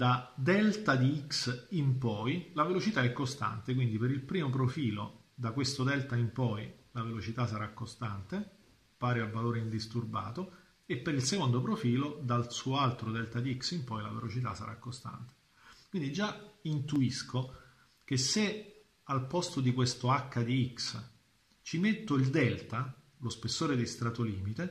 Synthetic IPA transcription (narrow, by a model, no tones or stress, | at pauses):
d̪ad̪ɛlt̪ad̪iiksimpɔjlavelot͡ʃit̪aɛkːost̪a̰nt̪ek̬wind̪ipeɾilpɾiːmop̬ɾofiːlo | d̪akwest̪od̪ɛlt̪aimpɔjlavelot͡ʃit̪asaɾakːost̪ant̪e | paːɾeavːaloːɾeind̪ist̪urba̰ːt̪o | epːeɾilsekond̪opɾofiːlod̪alsuːoalt̪ɾod̪ɛlt̪ad̪iiksimpɔjla̰vḛlot͡ʃit̪asa̰ɾʔa̰kːost̪a̰nt̪e̥ | kwind̪id͡ʒːaint̪uiskʰo | k̟esːe | alpɔst̪od̪ikwest̪oakːad̪iiks | t͡ʃimet̪ːoild̪ɛlt̪a | lospesːoːɾed̪est̪ɾat̪oliːmit̪e